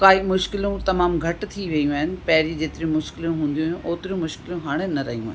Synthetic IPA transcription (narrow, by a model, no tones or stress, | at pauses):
kaːɦimʊʃkɪlũt̪ɐmaːmɡʱɐʈt̪ʰiʋɐjũaːɦɪnɪ̆pɐɦɪɾid͡ʑeːt̪ɪɾiũmʊʃkɪlũɦũːn̆d̪ijũːũʔoːt̪ɪɾjũmʊʃkɪlũɦaːɽ̃enɐɾɐɦijũa̰ːɦn